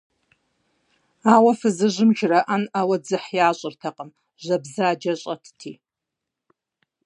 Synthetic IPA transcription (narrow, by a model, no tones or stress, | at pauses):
aːwɐfɨzɨʑɪmʒrɐʔanawɐd͡zɨħjaːɕʼɪrtʰɐqʼəm | ʑɐbzaːd͡ʒɐɕʼɐtʰɨ̥tʰiː